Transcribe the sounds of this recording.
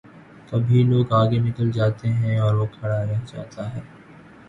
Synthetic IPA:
kɐbʱiloːɡaːɡenɪkəld͡ʒaːt̪eɦɛ̃ɔːɾʋokʰɐɽaɾɛɦd͡ʒa̰ːt̪aɦɛː

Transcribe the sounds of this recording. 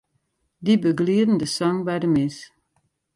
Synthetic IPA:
dibəɡliədn̩dəsaŋbɛjdəmɪs

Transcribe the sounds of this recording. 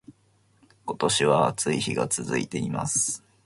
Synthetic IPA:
ko̞t̪o̞ɕiβaːt͡sɨiçiɡa̰t͡sɨzɨit̪e̞imasɨ̥

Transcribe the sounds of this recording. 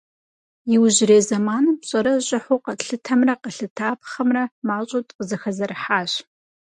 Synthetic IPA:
jiwʑreːzɐmaːnɨpɕʼɐɾɐɕʼɐħʷoqɐtɬɨtʰɐmrɐqəɬɨtʰaːpʰχɐmrɐmaːɕʼotʼqəzɐxɐzɐrħaːɕ

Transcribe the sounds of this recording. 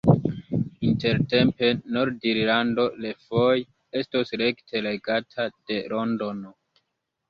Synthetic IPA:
inte̞ɾte̞mpe̞noɾdiɾlando̞le̞foj | e̞stosɾe̞ktʰe̞le̞ɡatʰad̥e̞ɾondo̞no

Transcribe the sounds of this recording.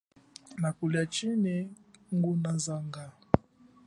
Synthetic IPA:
nakuliat͡ʃinɛŋɡunazaŋɡa

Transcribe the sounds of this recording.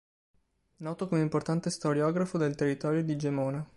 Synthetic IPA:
nɔːt̪okomeimport̪ant̪est̪oɾjɔːɡɾafod̪elt̪erːit̪ɔːɾjod̪id͡ʒemoːna

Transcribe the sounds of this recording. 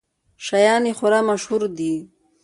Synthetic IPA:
ʃajɑːniχʊɾamaʃhuɾd̪i

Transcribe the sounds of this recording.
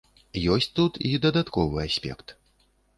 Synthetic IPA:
jɔsʲt͡sʲt̪ut̪id̪ɐd̪at̪kɔvɨasʲpʲɛ̰kt̪

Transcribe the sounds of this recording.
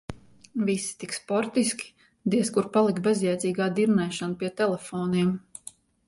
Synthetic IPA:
visi̥t̪ikspɔɾt̪iskʲi̥ | d̪iɛskuɾpalˠikbɛzʲjɛjt̪iːɡaːd̪iɾnɛːʃanpiɛt̪ɛlɛfoːniɛm

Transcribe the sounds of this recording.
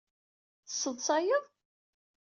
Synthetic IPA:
θəsːəðˤsˤɑjəðˤ

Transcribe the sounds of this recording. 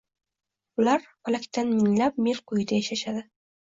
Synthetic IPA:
ulˠɑɾpɒ̆lʲækt̪ænminlæp̚milqujd̪ɑjæʃæʃæd̪ɘ

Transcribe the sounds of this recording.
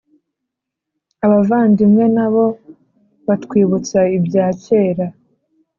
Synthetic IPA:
aβavaːndimŋe̞naβo̞ | βatkwiːβut͡saibɟaːce̞ːɾa

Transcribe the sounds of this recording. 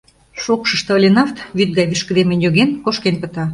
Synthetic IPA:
ʃokʃə̆ʃt̪ŏlʲenɑft̪βyt̪̚ɡɑjβiʃkəd̪emə̆njoɣenkoʃkenpə̆t̪ɑ

